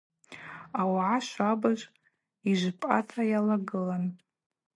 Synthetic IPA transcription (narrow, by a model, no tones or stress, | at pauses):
awʕaʃʷabaʒʷʼ | iʒʷpʼa̰tʰʼajalaɡɨlan